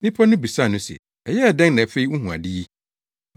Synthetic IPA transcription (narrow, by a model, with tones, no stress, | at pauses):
nɪ̃˦pʰɔ˦nʊ̃˦bi˨sa˦˨nʊ̃˦sɛ̰˨ | ɛ˨jɛ˦a˨dɛ̃˦ŋnɛ̃˨fe˦i˦u˦ɦũ˨a̰˨di˦i˦